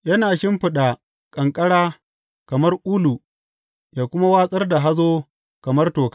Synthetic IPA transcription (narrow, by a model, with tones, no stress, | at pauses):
jɐ˦naː˨ʃɪ˦mɸɪ˨ɗa˨ | kʼɐ˨ŋkʼɐ˦ɽaː˦ | kɐ˨mɐ˦rʔu˦lu˨ | jaː˨kʷʊ˦ma˦waː˦sʼɐ˦rda˨ɦa˦zoː˦ | kɐ˨mɐ˦rtoː˨ka˦